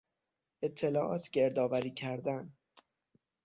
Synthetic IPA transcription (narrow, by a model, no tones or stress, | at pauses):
e̞t̪ʰːe̞lɒːʔɒːt̪ʰɟeɾd̪ɒːvæɾiːcʰæɾd̪æn